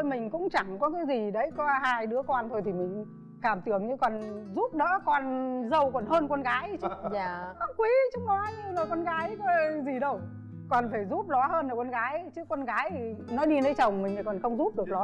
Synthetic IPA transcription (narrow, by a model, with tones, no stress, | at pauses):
jmï˨˩ŋ̟kʊ̰˧˥ŋ͡mt͡ɕa˧˩ŋkɔ˨˦kaː˨˦jzi˨˩ɗə˨˦jkɔ˨˦haː˧jɗɨ˨˦əkwaː˧nt̪ʰo˧jt̪ʰi˨˩mï˨˩ŋ̟ | kaː˧˩mt̪ɨ˧˩əŋɲɨ˧kɔ˨˩nzu˦˥p̚ɗə̰ː˧˥kɔ˧nzə˧wkɔ˨˩nhəː˧nkwa˧nɣaː˨˦jt͡ɕɨ˦˥˧a˧˦˥kwi˨˦t͡ɕɨ˦˥k̚nɔ˨˦ɲ˧lə˨˩kɔ˧nɣaː˨˦jkɔ˨˦zi˨˩ɗə˧w | kɔ˨˩nfaː˧˩jzu˦˥p̚lɔ˨˦həː˧nla˨˩kɔ˧nɣaː˨˦jt͡ɕɨ˦˥kːwa˧nɣaː˨˦jnɔ˨˦ɗi˧nə˨˦jt͡ɕə˨˩wŋ͡mmï̟˨˩ə˨˩kɔ˨˩nxə˧wŋ͡mzu˦˥p̚ɗɨ˨˩ək̚lɔ˨˦